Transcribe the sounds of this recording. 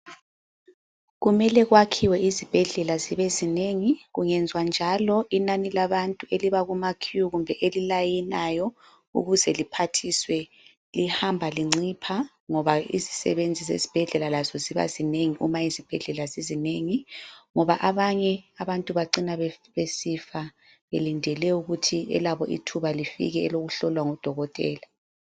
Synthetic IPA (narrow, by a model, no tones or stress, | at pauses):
ɣumɛlɛɣwakʰiwɛizib̥ʱɛɮɛlaziβezineŋiɣuŋɛnd͡zʱwand͡ʒʱalɔinanilaβantʼueliβaɣumakʰuɣumbʱɛʔelilajinajɔ | ṵɣuzɛlipʰatʰiswɛ | lihambʱaliŋ͡ǀipʰa | ŋɔβaḭzi̥sɛ̰βend͡zʱizḛzi̥b̥ʱɛɮɛlalazɔziβa̰zineŋiʔumajizib̥ʱɛɮɛlazizineŋiŋɔβaʔaβaɲɛaβantʼuβaǀinaββesifa | βelindʱɛlɛuɣutʰiɛ̰laβɔʔḭtʰuβalifḭɣɛɛloɣuɬɔlwaŋɔd̥ʱɔɣɔtʼɛ̰ːla